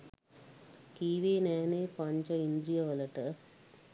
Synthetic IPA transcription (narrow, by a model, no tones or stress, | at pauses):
kiːʋeːnɛːneːpɐɲt͡ʃɐind̪ɾijɐʋɐlɐʈɐ